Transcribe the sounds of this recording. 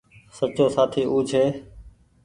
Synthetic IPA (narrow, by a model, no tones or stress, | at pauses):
sət͡ʃoːsaːt̪ʰiːʔuːd͡ʒʱeː